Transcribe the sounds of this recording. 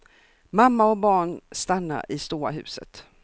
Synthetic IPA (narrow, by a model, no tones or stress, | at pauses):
mamːaɔbɑːɳst̪anːa̰ɾɪst̪uːɾa̰ɦʉ̟̰ːsə̰t̪